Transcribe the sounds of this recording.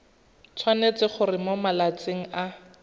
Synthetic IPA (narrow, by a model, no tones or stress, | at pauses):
t͡sʰwanet͡sɪχʊrɪmomalat͡seŋ̩a